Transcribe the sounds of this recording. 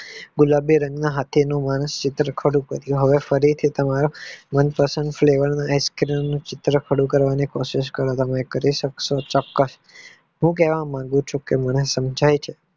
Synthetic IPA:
ɡʊlabiɾə̃ŋɡnaɦat̪ʰinũmañəst͡ʃɪt̪ɾəkʰəɽũkəɾjũɦəʋefəɾit̪ʰit̪əmaɾomənpəsəɳɖfleʋəɾnaajskɾinnũt͡ʃɪt̪ɾəkʰəɽũkəɾʋanikoʃɪʃkəɾot̪əmekəɾiʃəksot͡ʃɔkːəs | ɦũkeʋãmãŋɡũt͡ʃʰũkemənesəmd͡ʒʱajt͡ʃʰe

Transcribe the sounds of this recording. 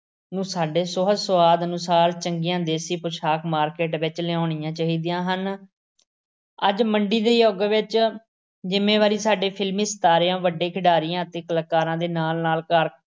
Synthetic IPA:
nũːsaːɖeːsʊɦəsʊʋaːd̪ənʊsaːɾt͡ʃəŋɡijãːd̪eːsiːpʊt͡ʃʰaːkmaːɾkeːʈʋɪt͡ʃleõːɳijãːt͡ʃaːɦiːd̪ɪjãːɦən | əd͡ʒməɳɖiːd̪eːiːoːɡʋɪt͡ʃ | d͡ʒɪmẽːʋaːɾiːsaːɖeːpʰɪlmiːst̪aːɾːãːʋəɖeːkʰɪɖaːɾiːãːt̪eːkələkːaːɾãːd̪eːnaːlnaːlkəɾ

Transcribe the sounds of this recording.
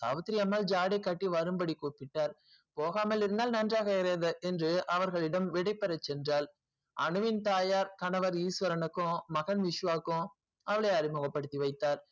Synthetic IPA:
sa̰ːʋɐt̪ːɪɾiɐmːaːld͡ʒaːɽɐɪkːɐʈːiʋɐɾɯmbɐɽikːuːpɪʈːaːɾ | poːɣaːmɐlɪɾɯnd̪aːlnɐndraːɣɐɪɾɐðɐʔɛndrɯʔɐʋɐɾɣɐɭɪɽɐmʋɪɽɐɪpːɐɾɐt͡ʃːɛndraːl | ʔɐɳɯʋɪnt̪aːjaːɾkɐnɐʋɐɾiːsʋɐɾɐnɐkːõmɐɣɐnʋɪʂʋaːkːõ | ɐʋɐɭɐɐɾɪmɯɣɐpːɐɽɯt̪ːiʋɐɪt̪ːaːɾ

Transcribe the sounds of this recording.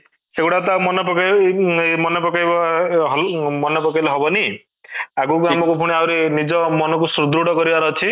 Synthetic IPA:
seuɽat̪̬amɔnɔpɔka | mɔnɔpɔkajbaɦmɔnɔpɔkajlɔɦɔbɔni | akuɡɾamɔkupʰuɽ̃iawɾinid͡ʒɔmɔnɔkusɾud̪ʱɾuɽɔkɔɾibaɾɔt͡ʃʰi

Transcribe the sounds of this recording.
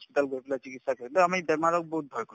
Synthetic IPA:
spitalɡoipɛlazikitsakoɹilɛamibɛmaɹɔk̚bɔɦut̚bʱɔjkɔ

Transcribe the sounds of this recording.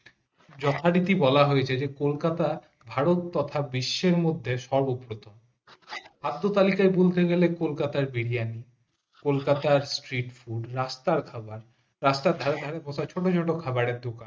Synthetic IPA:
d͡ʑɔt̪ʰaɖit̪ibɔlaɦojet͡ɕʰed͡ʑekolkat̪a | bʱaɾot̪ːɔt̪ʰabiʃːeɾmod̪ʱːeʃɔbubɾot̪om | bad̪ʱːot̪alikaebolt̪eɡelekolkat̪aɾbiɽijani | kolkat̪aɾsʈɾiʈfuɖɾast̪aɾkʰabaɾː | ast̪aɾd̪ʱaɾed̪ʱaɾeɾbɔsat͡ɕʰoʈot͡ɕʰoʈokʰabaɾeɾd̪okan

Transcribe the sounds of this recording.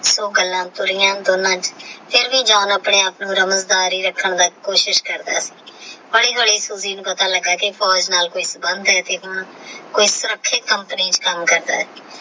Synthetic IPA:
soːɡəlːãːt̪ʊɾɪjãːd̪oːnãːt͡ʃpʰɪɾʋĩːd͡ʒaːnaːpɳẽːaːpnũːɾəməzd̪aːɾiːɾəkʰːəɳd̪aːkoːʃɪʃkəɾd̪a̰ːsi̥ːbəɽiːɦəɽiːsuziːnpət̪ãːləɡaːkɪpʰɔːd͡ʒnaːlkoːiːsəbənd̪ɛːt̪eːɦʊɳkoːiːsʊɾəkʰːɪt̪kəmpəniːt͡ʃkəmkəɾd̪a̰ːɦɛː

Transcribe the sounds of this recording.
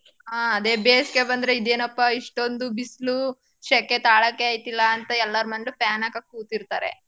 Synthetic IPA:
ɦaːɐd̪eːbeːske̞bɐnd̪ɾeid̪e̞ːnɐpːɐiʂʈo̞nd̪ubislu | ʃekːet̪aːɭɐkːeaːjt̪ilːɐːnt̪ɐɛlːɐɾmɐɳɖupaːnɐkɐkːuːt̪iɾt̪a̰ːɾḛ

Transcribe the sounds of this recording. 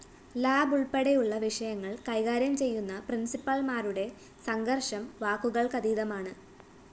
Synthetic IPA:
laːbuɭpe̞ɽejuɭːɐʋiʂɐjɐŋːɐɭkɐjɣaːɾjɐmt͡ɕe̞jːunːɐprinsipːɐɭmaːruɽe̞ | sɐŋɡɐrʂɐmʋaːkːuɣɐɭkɐd̪iːðɐmaːɳɨ

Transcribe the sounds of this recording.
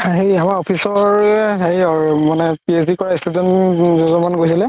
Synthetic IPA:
aɦejamaɹɔpʰisɔɹɦejmanɛpies̬dikɔɹaistʰudɔnzɔzɔmanɡojsilɛ

